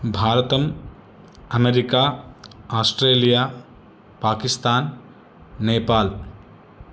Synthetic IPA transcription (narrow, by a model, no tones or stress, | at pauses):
bʱaːɾɐt̪ɐm | ɐmeɾikaːaːsʈɾeːlijaː | paːkist̪aːnː | eːpaːl